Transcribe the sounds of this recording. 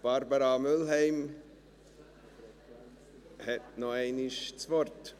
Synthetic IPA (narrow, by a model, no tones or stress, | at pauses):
b̥ɑɾbəɾɑmʏlɦɛɪm | hɛtnɔɛɪnɪʃt͡svɔɾt